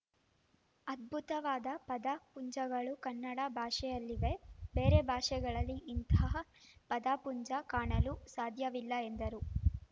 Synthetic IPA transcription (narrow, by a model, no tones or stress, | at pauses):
ɐd̪̚bʱut̪ɐʋaːd̪ɐpɐd̪apuɲd͡ʒɐɡɐɭukɐnːɐɽabʱaːʂɛjɐlːiʋe̞be̞ːɾebʱaːʂɛɡɐɭɐlːiʔːnt̪ɐɦɐpɐd̪apuɲd͡ʒɐkaːɳɐlusaːd̪ʱjɐʋilːɐend̪ɐɾu